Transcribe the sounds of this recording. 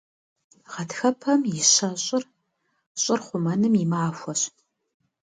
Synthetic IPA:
ʁɐtxɐpʰɐmjɪɕɐɕʼɪr | ɕʼɪrχʷʊmɐnɨmimaːfʷɔɕ

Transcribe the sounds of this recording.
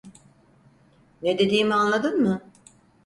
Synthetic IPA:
ned̪e̞d̪iːmianlˠad̪ɯnmɯ

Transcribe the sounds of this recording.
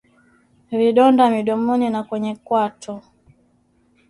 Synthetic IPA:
viɗɔndamiɗɔmɔninakwɛɲɛkwatʰɔ

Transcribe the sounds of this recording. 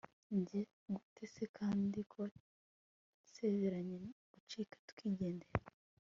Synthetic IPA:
ɲɟe | ɡutʰe̞sekʰaːndikʰo | se̞ze̞ɾaɲeɡut͡ʃiːkḁtu̥kiːɟe̞ːndeɾe

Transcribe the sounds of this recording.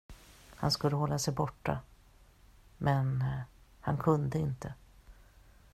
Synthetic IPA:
ha̰nskɵlːəɦɔlːasɛjbɔʈːa̰ | mɛnhankʰɵnd̪əɪnt̪ə

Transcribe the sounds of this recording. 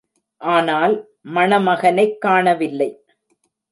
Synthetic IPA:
ʔaːnaːl | mɐɳɐmɐɣɐnɐɪkːaːɳɐʋɪlːɐɪ

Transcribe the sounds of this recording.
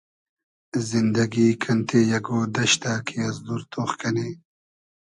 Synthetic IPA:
zind̪ɐɡikʰɐnt̪ʰejɐɡoːd̪ɐɕt̪akʰiɐzd̪uɾt̪oːxkɐniː

